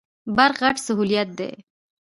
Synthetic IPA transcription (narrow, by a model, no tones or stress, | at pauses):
baɾɣaʈsaɦulijat̪̚d̪ḛ